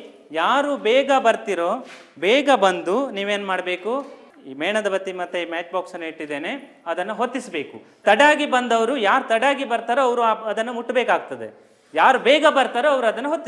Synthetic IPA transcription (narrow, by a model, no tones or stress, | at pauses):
jaːɾubɛːɡɐbɐɾt̪iɾoː | bɛːɡɐbɐnd̪uniːʋeːnmaːɽbe̞ːku | mɛːɳɐd̪ɐbɐt̪ːimɐt̪ːeimaːt͡ʃbaːksɐnːɐiʈːid̪ːeːne̞ | ɐd̪ɐnːɐɦot̪ːisbe̞ːkut̪ɐɽaːɡibɐnd̪ɐʋɐɾujaːɾut̪ɐɽaːɡibɐɾt̪aːɾeɐʋɐɾuaɐd̪ɐnːumuʈːbɛːkaːɡ̚t̪ɐd̪e | jaːɾubɛːɡɐbɐɾt̪aːɾeɐʋɐɾuɐd̪ɐnːɐɦot̪ːi